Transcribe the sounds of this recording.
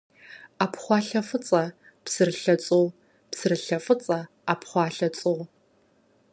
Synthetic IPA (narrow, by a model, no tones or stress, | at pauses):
apχʷɑːɬɐfɨt͡sʼɐ | psɨrɨɬɐt͡sʼɨw | psɨrɨɬɐfɨt͡sʼɐ | apχʷɑːɬɐt͡sʼɨʁ